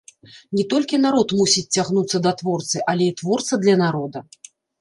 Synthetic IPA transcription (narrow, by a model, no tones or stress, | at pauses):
nʲɛt̪ɔlʲkʲinaɾɔt̪musʲit͡sʲt͡sʲːaɣnut̪sːɐd̪ɐt̪vɔrt̪sɨʔalʲɛit̪vɔrt̪sɐd̪lʲɐnaɾɔd̪ɐ